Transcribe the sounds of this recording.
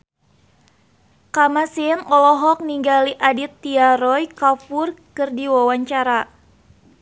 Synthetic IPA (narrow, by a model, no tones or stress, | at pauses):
kamasinɔlɔɦɔk̚niŋɡaliʔadit̪ːiaɾɔjkapurkɨrdiwawaɲt͡ʃaɾa